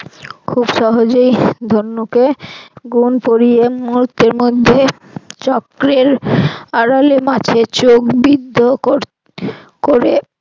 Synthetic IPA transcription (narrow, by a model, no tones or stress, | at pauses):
kʰubʃɔɦod͡ʑojd̪ʱonːukeɡunpoɾijemuɾut̪ːeɾmod̪ʱːe | t͡ɕɔkɾeɾaɽalemat͡ɕʰet͡ɕokbid̪ʱːoko | koɾe